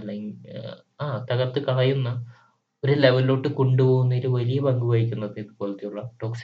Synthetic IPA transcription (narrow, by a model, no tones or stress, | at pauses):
ɐlɐŋ | aːt̪ɐɣɐrt̪ːɨkɐrijunːɐ | oɾule̞ʋɐlo̞ːʈːɨko̞ɳɖupo̞ːɣunːɐiɾuʋɐlijɐbɐŋɡubɐjikʲːunːɐðɨiðɨpoːlɐt̪ːijuɭːɐʈo̞ːks